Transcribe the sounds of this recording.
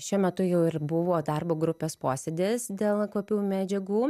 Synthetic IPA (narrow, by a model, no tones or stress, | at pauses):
ʃʲumʲɛt̪ʊjɛʊɪrbʊʋoːd̪ɐrboːɡɾʊpʲeːspoːsʲed̪ʲeːsd̪ʲeːlˠkʋoːpʲuːmʲæːd͡ʒʲɛɡuː